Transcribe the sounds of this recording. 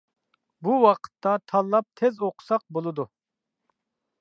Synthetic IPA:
buwɑqʰə̥t̪ʰːɑt̪ʰɑlˠːɑp̚t̪ʰezoqʰʊ̥sɑq̚bolˠɨd̪u

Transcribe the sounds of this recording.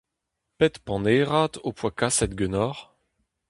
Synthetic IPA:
pɛt̪pɑ̃neʁat̪opwakasɛt̪̚ɡʲønɔʁ

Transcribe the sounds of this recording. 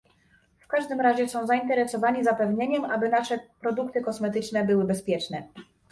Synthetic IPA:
fkaʐd̪ɘmɾaʑɛsɔ̃w̃zaint̪ɛɾɛsɔvaɲizapɛvɲeɲɛmʔabɘnaʂɛpɾɔd̪ukt̪ɘkɔsmɛt̪ɘt͡ʂnɛbɘwɘbɛspʲjɛt͡ʂnɛ

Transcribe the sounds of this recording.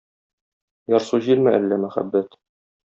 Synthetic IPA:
jɒɾsuʑilmɘʔælːæmæχæ̰bːæt̪

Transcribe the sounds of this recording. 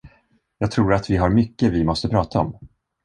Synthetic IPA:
jɑːɡt̪ʰɾuːɾat̪vɪɦaɾmʏkːəvɪmɔst̪əpʰɾɑːt̪ʰaɔ̰m

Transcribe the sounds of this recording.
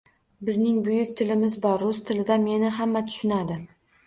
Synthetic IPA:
bɪznɪŋbʊjʊk̚ʲt̪ʰɪlɪmɪzbɒɾːʊst̪ʰɪlɪd̪ame̞nɪɦamːat̪ʰʊ̥ʃɪnad̪ɪ

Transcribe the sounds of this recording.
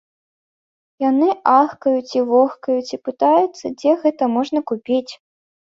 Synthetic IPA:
janɨʔaxkɐjut͡sʲivɔxkɐjut͡sʲipɨt̪ajut̪sːɐd͡zʲɛɣɛt̪ɐmɔʐnɐkupʲit͡sʲ

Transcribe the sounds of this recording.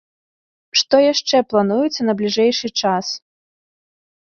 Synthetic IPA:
ʂt̪ɔjaʂt͡ʂɛplˠanujut̪sːɐnɐblʲiʐɛjʂɨt͡ʂas

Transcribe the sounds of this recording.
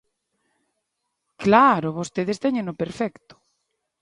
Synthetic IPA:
klaɾʊβost̪eðest̪ɛɲẽŋnopeɾfɛkt̪ʊ̥

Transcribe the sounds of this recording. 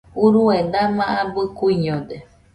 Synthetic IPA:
uɾued̪amãʔabɨkuiɲõd̪e

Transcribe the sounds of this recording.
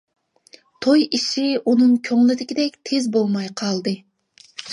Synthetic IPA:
t̪ʰojiʃiunɨŋkʲʰøŋlˠɪd̪ɪkʲid̪ɛkʲt̪ʰezbolˠmɑjqʰɑlˠd̪ɨ

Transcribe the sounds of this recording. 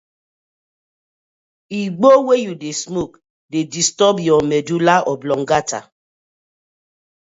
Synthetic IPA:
iɡ͡bowejudesmuk | dedistɔbjɔmedulaʔɔblɔŋ̩ɡata̰

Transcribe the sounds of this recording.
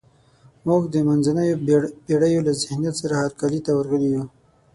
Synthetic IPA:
mʊɡd̪əmanzanajopeɽajolazɪhnijat̪saɾahaɾkalit̪awəɾɣəliju

